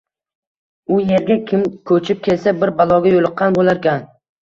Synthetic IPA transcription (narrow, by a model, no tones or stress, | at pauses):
ʊjeɾɡʲakʲʰɪmkʰɵt͡ʃʰɪp̚kʲʰe̞lsabɪɾbalˠɒɡʲajolˠɨqʰːɑnbolaɾkʲʰan